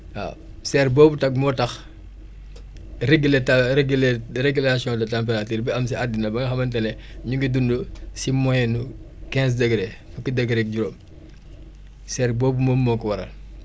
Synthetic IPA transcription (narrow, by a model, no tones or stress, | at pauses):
a̰ː | sɛːrbɔːbutɐk̚mɔtɐx | reɡileteɡlreɡulasijɔ̃dɐtamp̬eɾatiːɾbɛɐmsiadːinɐbɐŋɡɐxɐmɐntɛnɛɲuŋɡidundusimɔjɛnu | kɛ̃ːns̬dɐɡɾɛfukːidɐɡɾɛk̚ɟuɾoːm | sɛːrbɔːbumoːmːɔːkɔwɐɾɐ̰l